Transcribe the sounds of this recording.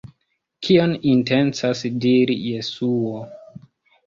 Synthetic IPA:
kʰionintent͡sasdiɾḭje̞suo

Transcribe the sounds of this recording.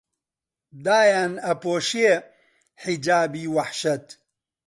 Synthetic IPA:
d̪aːjaːnɐpoːʃie | ħid͡ʒaːbiːwɐħʃɐt̪

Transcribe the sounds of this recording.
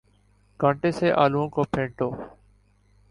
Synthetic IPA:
ɡãːɳʈeːseːʔaːluõːkoːpʰẽːɳʈoː

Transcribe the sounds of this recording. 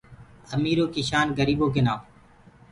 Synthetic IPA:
əmiːɾoːkiːʃaːnɡəɾiːboːɡɪnaːm

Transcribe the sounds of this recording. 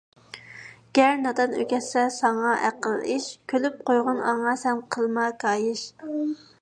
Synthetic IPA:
ɡ̥ʲɛɾnɑd̪ɑnø̰kʲɛsɛsɑŋɑʔæ̰qəlˠiʃkʲʰølyp̚qojʁʊnɑ̰ŋɑsɛnqʰəlˠmɑkɑːjɪʃ

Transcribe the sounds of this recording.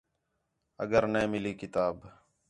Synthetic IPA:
ə̰ɡəɾnẽːmɪliːkɪt̪aːb

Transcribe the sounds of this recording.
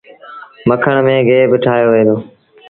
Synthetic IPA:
məkʰəɳ̃mẽːɡʱeːbɪʈʰaːjoːʋẽːd̪oː

